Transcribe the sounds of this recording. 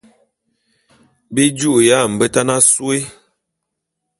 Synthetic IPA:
bi˦d͡ʒu˦ʔja˦˨m̩˨bə˦ta˦na˦swe˦

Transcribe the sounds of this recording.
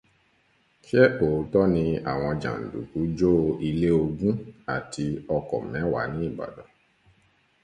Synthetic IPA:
ʃɛ˦o˨˦tɔ˦nĩ˧a̰˨w̃ɔ̃˧d͡ʒã̰˨n̩˨dṵ˨ku˨˦d͡ʒo˦i˧le˦o˧ɡũ˦a˦˨tʰi˧ɔ˧kɔ̰˨mɛ̃˨˦wa̰˨˦nĩ˦i˦˨ba̰˨dɔ˨˦

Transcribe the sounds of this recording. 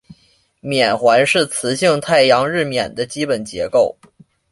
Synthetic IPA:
mjɛ˨˩nxwa˧˥nʂɻ̩˥˩t͡sʰɹ̩˧˥ɕi˥˧ŋt̪ʰa˥˩ɪjɑ˧˥ŋɻɻ̩˥˩mjɛ˨˩nd̪ə˦t͡ɕi˥pə˨˩nt͡ɕjɛ̰˧˥ko˥˩ʊ

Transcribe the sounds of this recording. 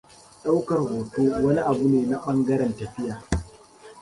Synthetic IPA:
ɗa˦wkɐ˨rhoː˨toː˦wɐ˦ni˦ʔa˨bu˦neː˨na˦ɓɐ˦ŋɡɐ˦ɾɛ˨ntɐ˨ɸɪ˦jaː˨

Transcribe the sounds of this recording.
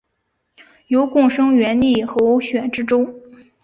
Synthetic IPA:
jo˧˥ʊkʊ˥˩ŋʂɤ˥ŋɥɛ˧˥nli˥˩xɤ˧˥o˧˥ɕɥɛ˨˩ʈ͡ʂɻ̩˥ʈ͡ʂʊ˥ŋ

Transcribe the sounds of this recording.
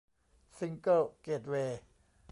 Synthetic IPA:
si˧ŋkə˥˩lkeː˨˩t̪̚weː˧

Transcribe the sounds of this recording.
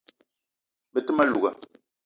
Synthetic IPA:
bɛ˨tɨ˦ma˦lu˨ɡa˨

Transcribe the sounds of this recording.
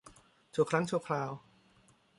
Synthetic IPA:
t͡ɕʰuː˧˩kʰɾa˦˥ŋt͡ɕʰu˥ɐkʰɾaː˧w

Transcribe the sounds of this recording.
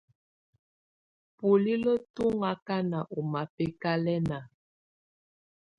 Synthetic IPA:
pu˨li˦lɔ˦tu˦ŋa˦ka˦na˨ʔɔ˨ma˨pɛ˦ka˦lɛ˦na˨

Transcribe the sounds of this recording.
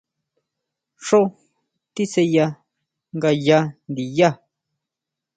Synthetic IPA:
ʂo˦ | t̪i˦se˧ja˧ | ŋɡa˧ja˧nd̪i˨ja˦

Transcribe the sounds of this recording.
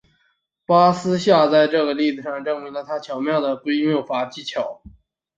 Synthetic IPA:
pa˥sɹ̩˥ɕja˥˧t͡sa˥˧ɪʈ͡ʂɤ˥˩ɡə˩li˥˩t͡sɹ̩˧˩ʂɑ˥˧ŋʈ͡ʂɤ˥˩ŋmi˧˥lə˧˨t̪ʰa˥t͡ɕʰjɑ˨˧˥ʊmjɑ˥˩ʊd̪ə˩ke˥ɪmjo˥˩ʊfa˧˥t͡ɕi˥t͡ɕʰjɑ˨˩˦ʊ

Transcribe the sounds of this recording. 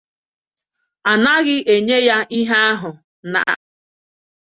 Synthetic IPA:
a˨na˦ɣɪ˦ʔe˨ɲe˦ja˦i˦ɦa˦a˦ɦʊ˨ | na̰˨ʔa̰˨

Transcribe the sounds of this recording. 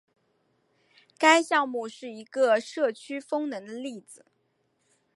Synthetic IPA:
ka˥ɪɕjɑ˥˧ŋmu˥˧ʂɻ̩˥˩i˧˥ɡə˧ʂɤ˥˩t͡ɕʰy˥fɤ˥ŋnɤ˧˥ŋd̪ə˧li˥˩d͡zɹ̩˨˩

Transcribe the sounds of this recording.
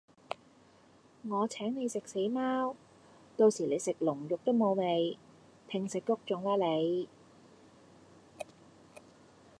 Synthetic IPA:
ŋɔː˨˧t͡sʰɛː˨˥ŋne˨˧jsɪ˨k̚se˨˥jmaː˥w | t̪o˧wsiː˨˩le˨˧jsɪ˨k̚lʊ˨˩ŋjʊ˨k̚t̪o˥wmo˨˧wme˨˧j | t̪ʰɪ˨ŋsɪ˨kːʊ˥k̚t͡sʊ˨˥ŋlaː˨˥le˨˧j

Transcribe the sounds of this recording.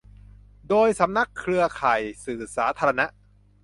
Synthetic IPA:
doː˧jsa˩˦mna˦˥kʰːɾɯ˧ɐkʰaː˨˩jsɯː˨˩saː˩˦˥t̪ʰaː˧ɾa˧na˦˥ʔ

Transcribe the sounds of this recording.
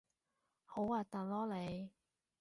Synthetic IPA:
ho˨˥waː˨˩t̪a˨lɔː˥le˨˧j

